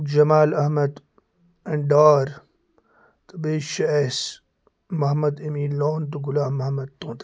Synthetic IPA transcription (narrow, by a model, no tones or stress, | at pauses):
d͡ʒɐmaːlɐhmɐd̪ | ɐɳɖaːɾ | t̪ɐbeːʃɐes | mɐɦmɐd̪ɐmiːnloːnt̪̬uɡulaːmːɐhɐmɐd̪̚t̪ːõːnt̪